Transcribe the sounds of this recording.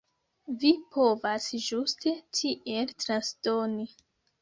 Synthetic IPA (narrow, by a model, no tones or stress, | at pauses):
vipʰo̞vasʒustʰe̞tʰiʔe̞ltɾansdoni